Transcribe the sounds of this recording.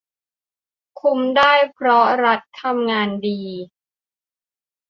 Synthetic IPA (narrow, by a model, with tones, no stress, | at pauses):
kʰu˧mdaː˥˩jpʰɾɔ˦˥ɾa˦˥t̪ʰːa˧mŋaː˧ndiː˧